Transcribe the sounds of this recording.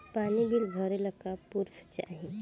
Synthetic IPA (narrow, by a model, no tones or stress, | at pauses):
paːnibilɡʱəɾeləkːapuɾft͡ʃa̰ːɦe